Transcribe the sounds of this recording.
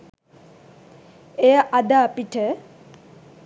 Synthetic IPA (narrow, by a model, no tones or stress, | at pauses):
ejaʔad̪aːpiʈʰə